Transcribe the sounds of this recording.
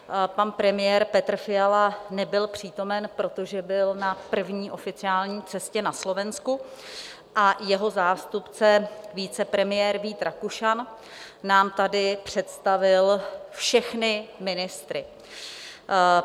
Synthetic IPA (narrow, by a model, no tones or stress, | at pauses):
panpɾɛmɪjɛːɾpɛt̪r̩fɪjalanɛbɪlpr̝̥iːt̪o̞mɛnpɾo̞t̪o̞ʒɛbɪlnapr̩vɲiːʔo̞fɪt͡sɪaːlɲiːt͡sɛscɛnaslo̞vɛnsku | ʔajɛɦo̞zaːst̪upt͡sɛviːt͡sɛpɾɛmɪjɛːɾviːt̪ɾakuʃan | naːmt̪adɪpr̝̥ɛt̪st̪avɪlfʃɛxnɪmɪnɪst̪ɾɪ